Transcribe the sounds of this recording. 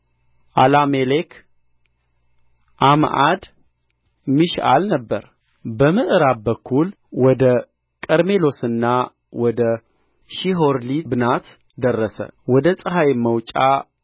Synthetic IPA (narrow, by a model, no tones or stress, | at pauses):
ʔalamelekʰ | ʔamʔad̪ | mɨʃa̰lnəbːə̰ɾ | bəmɨʔɨɾabbəkʰːul | wɔd̪ə | kʼəɾme̞lo̞sɨnːa | wɔd̪ə | ʃiɦoɾlibɨnat̪ | d̪ərːəsə̰wɔd̪əsʼəɦajməwt͡ʃʼa